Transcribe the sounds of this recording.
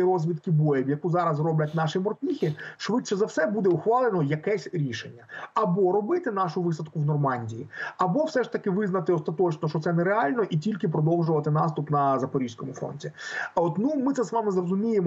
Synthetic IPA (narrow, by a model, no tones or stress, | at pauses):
iɾɔzʲʋʲit̪kɪbɔjɛbʲjɐkuzɑɾɐzrɔblʲɐtʲnɑʃimɔrt̪ʲixʲɪʃʋɪt͡ʃɛzɐwsɛbud̪ɛuxʋɑlˠenɔjɐkɛsʲɾʲiʃenʲːɐɐbɔɾɔbɪt̪ɪn̪ɑʃʊʋɪsɐd̪kʊwnɔrmɑnʲdʲijiɐbɔwsɛʃt̪ɐkɪʋɪznɐt̪ɪɔst̪ɐt̪ɔt͡ʃnɔʃt͡ʃɔt̪sɛnɛɾeɑlʲnɔʔitʲilʲkɪpɾɔd̪ɔwʒʊʋɐt̪ɪnɑst̪ʊpnɐzɐpɔɾʲiʃsʲkɔmʊfɔ̰nʲtʲiɔt̪numɪt̪ɛzʋɑmɪzrɔzʊmʲijemɔ